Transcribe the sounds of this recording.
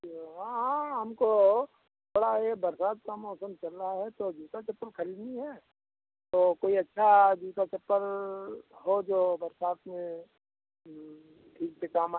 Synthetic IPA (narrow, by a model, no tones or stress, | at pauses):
ɦãɦãɦɐmko | ɐɽaɦɛbɐɾsaːt̪̚kamɔːsəmt͡ʃɐlːaɦɛt̪od͡ʒuːt̪at͡ʃɐpːəɾkʰɐɾiːd̪niɦɛ | t̪oːkoːiɐtːʃʰad͡ʒuːk̪at͡ʃɐpːəɾ | ɦod͡ʒoːbɐɾsaːt̪mẽ | ʈʰiːk̚sekaːma